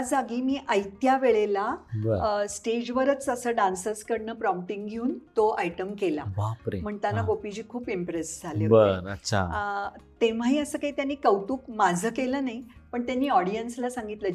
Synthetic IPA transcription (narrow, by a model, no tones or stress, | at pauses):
ad͡zaɡiːmiːʔəjt̪jaʋeɭelabəɾsʈed͡ʑʋəɾət͡səsəːɖansəskəɽɳəːpɾɔmp̚ʈiŋɡɡʱeuːnt̪oʔajʈəmkela̰bapɾḛm̤əɳt̪janːaɡopid͡ʑiːkʰuːpimpɾesd͡zʱalebəɾətːɕʰa̰ət̪em̤aɦiːəsəːkaɦiːt̪janːiːkəwt̪uːkmad͡zʱəːkeləːnaɦi | pəɳt̪janːiːɔɽijənslasãŋɡit̪lə